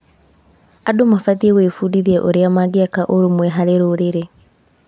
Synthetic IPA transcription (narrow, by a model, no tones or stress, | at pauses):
adomafaðieɣwefudiðiɛʔoɾeamaɡiakaʔoɾomwɛɦaɾeɾoɾeɾe